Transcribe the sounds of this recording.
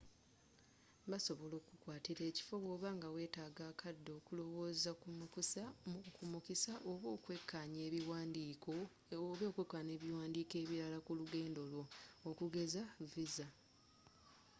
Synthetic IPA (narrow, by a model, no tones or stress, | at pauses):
baso̞βo̞lo̞ːkukwaːtiɾe̞ːci̥fo̞βo̞ːβaŋɡawe̞ːtaːɡaːkʰadːo̞ːkulo̞wo̞ːzakumukisamukumukisaʔoβoːkwekːaɲeːiwadiko | βo̞ːkwekːaɲe̞ːβiwaːndiːke̞ːβiɾalakuluɡe̞ːndo̞lwookuɡe̞zaviza